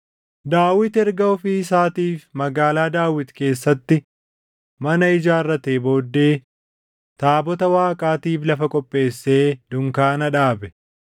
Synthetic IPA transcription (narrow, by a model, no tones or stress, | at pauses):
d̪aːwɪt̪ɛɾɡɐɔfiːɪsaːt̪iːfmɐɡaːlaːd̪aːwɪt̪ke̞ːsːɐt̪ːɪ | mɐnɐɪd͡ʒaːrːɐt̪eːbo̞ːd̪ːe̞ː | t̪aːbɔt̪ɐwaːkʼaːt̪iːflɐfɐkʼɔpʼːe̞ːsːe̞ːd̪ʊŋkaːnɐᶑaːbɛ